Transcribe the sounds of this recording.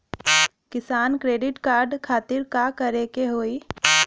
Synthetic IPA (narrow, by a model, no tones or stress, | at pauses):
kɪsaːnkɾeːɖɪʈkaːɾɖkʰaːt̪ɪɾkakəɾeːkeɦoːi